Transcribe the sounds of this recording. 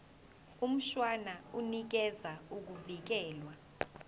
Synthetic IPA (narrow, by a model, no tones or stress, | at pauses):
um̩ʃwanaunik̬ɛzauk̬uvik̬ɛːlwa